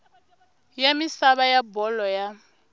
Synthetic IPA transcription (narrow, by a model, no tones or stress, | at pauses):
jamisaβajabɔlɔja